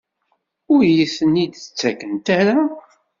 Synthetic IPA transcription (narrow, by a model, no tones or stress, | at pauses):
ʊɾjiθənid̪ə̥t͡sːækənt̪æɾa